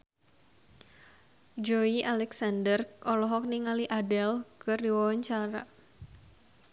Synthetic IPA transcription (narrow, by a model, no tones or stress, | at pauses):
d͡ʒoiʔalɛksandərkɔlɔɦɔk̚niŋaliʔadɛlkɨrdiwawaɲt͡ʃaɾa̰